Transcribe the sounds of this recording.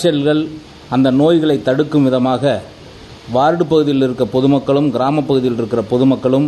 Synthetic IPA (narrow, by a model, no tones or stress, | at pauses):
t͡ʃɐlɣɐɭ | ɐnd̪ɐnoːjɣɐɭɐɪt̪ːɐɽɯkːɯmʋɪðɐmaːɣɐ | ʋaːɾɽɯpːɐɣɯðɪjɪlɪɾɯkːɐpɔðɯmɐkːɐɭɯmɡɪɾaːmɐpːɐɣɯðɪjɪlɪɾɯkːɪrɐpɔðɯmɐkːɐɭɯm